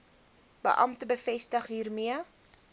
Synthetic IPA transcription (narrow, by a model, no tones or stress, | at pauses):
bə̰ʔɐmtəbəfɛstəχɦiːrmiə